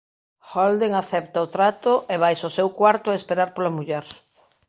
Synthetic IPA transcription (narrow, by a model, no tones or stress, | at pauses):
xold̪eŋaθɛp̚t̪aot̪ɾat̪ʊʔeβajsosewkwaɾt̪ʊaespeɾaɾpolamuʎɛɾ